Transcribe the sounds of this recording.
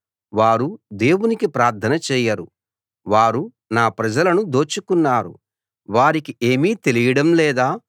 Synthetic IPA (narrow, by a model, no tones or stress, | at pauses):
ʋaːɾud̪e̞ːwunikipɾaːɾt̪ʰɐnɐt͡ʃɛːjɐɾu | ʋaːɾu | naːpɾɐd͡ʒɐlɐnud̪o̞ːt͡ʃukunːaːɾṵ | ʋaːɾikie̞ːmiːt̪e̞lijɐɽɐmlɛːd̪aː